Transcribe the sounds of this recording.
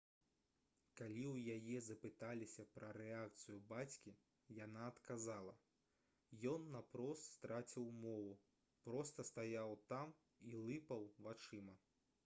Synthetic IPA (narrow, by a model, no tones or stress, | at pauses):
kalʲiwjajɛzɐpɨt̪alʲisʲɐpɾɐɾɛak̚t̪sɨjubat͡sʲkʲi | janaɐt̪kazalˠɐ | jɔnːapɾɔst̪st̪ɾat͡sʲiwmɔvu | pɾɔst̪ɐst̪ajawt̪am | ilˠɨpɐwvat͡ʂɨmɐ